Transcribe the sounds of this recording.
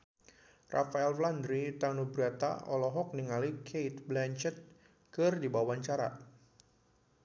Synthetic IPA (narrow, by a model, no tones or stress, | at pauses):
ra̰faɛlfland̪ɾit̪anubɾat̪a̰ɔlɔɦɔk̚niŋalikʰejt̪̚blɛnt͡ʃɛt̪̚ | kɨrdibawaɲt͡ʃaɾa̰